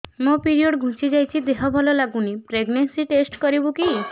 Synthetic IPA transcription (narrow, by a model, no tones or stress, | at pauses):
mõpiɾioɖɡʱũsid͡ʒajt͡ʃʰid̪eɦɔbʱɔlɔlaɡunipɾeɡnensiʈesʈkɔɾibuki